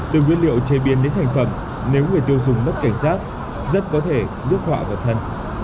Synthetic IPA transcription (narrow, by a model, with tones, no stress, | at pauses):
t̪ɨ˨˩ŋwi˧ənlḭ˧˨ə˨wt͡ɕe˧ɓi˨˦ənɗe˨˦nt̪ʰa˨˩ŋ̟fə˧˩m | ne˨˦wŋɨ˨˩əjt̪i˧əwzʊ˨˩ŋ͡mmə˦˥ka˧˩jŋ̟saː˦˥t̚ | zə˦˥t̚kɔ˨˦t̪ʰe˧˩zɨ˦˥ək̚hwa̰ː˧˨vaː˨˩wt̪ʰə˧n